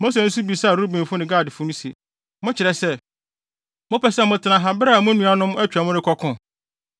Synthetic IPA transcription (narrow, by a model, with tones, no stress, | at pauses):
mo˦s̬e˨ñ̩˦su˦bi˨sa˦˨ɾu˦bĩ˨n˨fʊ˦nɪ̃˨ɡaː˦˨dɪ˨fʊ˦nʊ̃˦sḛ˨ | mʊ̃˦t͡ɕʰɪ˨ɾɛ˨sɛ˦ | mʊ̃˦pɛ˨sɛ˦mʊ̃˨tʰɪ˨nã˨ɦa˨bɪ˦ɾɛ˦˨mʊ̃˦nũ˦a˦nʊ̃˦m˦ɛ˦t͡ɕᶣa˨mʊ̃˦ɾɪ˦kʰɔ˦kʰʊ̃˨